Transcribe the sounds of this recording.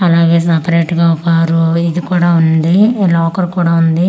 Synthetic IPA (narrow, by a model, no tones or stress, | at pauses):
ɐlaːɡeːs̬ɐpɐɾeːʈɡaupaːɾuid̪ikuːɽaːund̪ilɔːkɐɾkuːɽaːund̪i